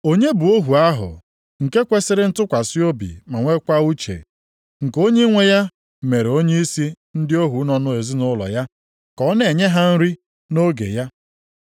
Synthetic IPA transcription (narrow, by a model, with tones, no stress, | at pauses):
o˦ɲe˦bu˨o˦ɦu˨a˦ɦʊ̰˨ | ŋ̩˨ke˦kʷe˦sɪ˦ɾɪ˦n̩˦tʊ˦kʷa˨si˦o˦bḭ˨ma˨ŋʷe˦kʷa˦u˦t͡ʃḛ˨ | ŋ̩˨ko˦ɲe˦ŋʷe˦ja˦˨ | me˨ɾe˨o˦ɲe˦i˦si˦ | n̩˦dɪ˦o˦ɦu˨˦nɔ˨nʊ˦e˨zi˦nʊ˦lɔ̰˨ja˦ | kɔ˨˦ne˨ɲe˦ɦa˦n̩˦ɾi˦ | no˦ɡḛ˨ja˦